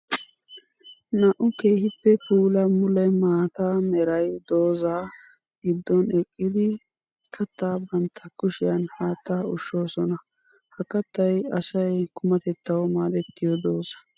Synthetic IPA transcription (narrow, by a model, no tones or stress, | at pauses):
naʔʊke̞ːhɪpːɛpuːlɐmʊlɐmaːt̪amɛɾɐjd̪o̞ːza | ɡɪd̪ːɔnɛkʼːɪd̪ɪ | kʰɐt̪ːabɐnt̪ʰːɐkʊʃɪjɐnhaːt̪ːaʊʃːo̞ːsɔnɐ | hɐkːɐt̪ːɐjɐsɐjkʰʊmɐt̪ɛt̪ːɐwmaːd̪ɛt̪ːɪjɔd̪o̞ːzɐ̥